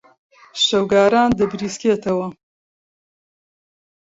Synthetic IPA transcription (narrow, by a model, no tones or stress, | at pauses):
ʃɐwɡaːɾaːnd̪əbɾiːskʲeːt̪ɐwɐ